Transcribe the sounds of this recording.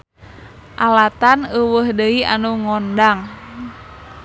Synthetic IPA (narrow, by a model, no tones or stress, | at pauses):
ʔalat̪anəwəhdəiʔa̰nuŋɔndaŋ